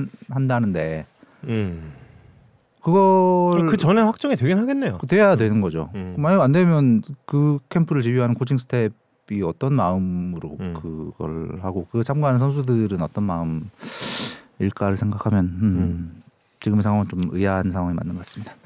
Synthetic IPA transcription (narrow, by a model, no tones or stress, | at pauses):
nhandanɯnde̞ | kɯɡʌkɯt͡ɕʌneɸak̚t͡ɕ͈ʌŋitweɡenɦaɡenːejokɯtwe̞ajadwe̞nɯnɡʌd͡ʑo̰kmaɲiɡʌandwe̞mjʌnkɯkʰe̞mpʰɯɾɯɭt͡ɕijuɦanɯnkʰot͡ɕʰiŋsʰɯ̥tʰe̞b | iʌt͈ʌnmaɯmɯɾokɯɡ̥ʌ̰ɭhaɡokɯɡet͡ɕʰamɡaanɯnsʰʌns̬ʰudɯɾɯnʌt͈ʌnmaɯm | iɭk͈aɾɯɭsʰe̞ŋɡakʰamjʌn | t͡ɕiɡɯmesʰaŋwaŋɯnt͡ɕomɯaɦannsʰaŋɦwaŋimanːɯnɡk͈as͈ɯmɲid̥a